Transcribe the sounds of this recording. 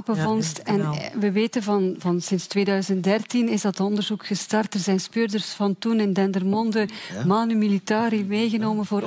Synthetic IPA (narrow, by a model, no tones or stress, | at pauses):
pəvɔnstɛnʋəʋeːtənvɑnvɑnsɪnstwʋeːdœɥzəntdɛrtinɪzdɑtɔndərzukxəstɑrtərzɛjnspøːrdərsfɑntunɪndɛndərmɔndəmaːnymilitaːɾimeːjɣənoːmənvoːɾ